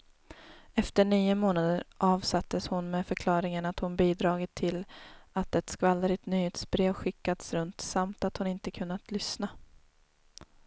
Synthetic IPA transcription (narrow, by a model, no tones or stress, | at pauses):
ɛft̪əɳyːʊmoːnad̪əɾʔɑːvsat̪ːəshʊnmeːfœɾkʰlɑːɾɪŋənat̪hʊnbiːd̪ɾɑːɡɪt̪ʰːɪlat̪ɛt̪skvalːəɾɪt̪nyːheːt̪sbɾeːvɧɪkːad̪sɾɵnt̪samt̪at̪hʊnɪnt̪əkʰɵnːat̪lʏsna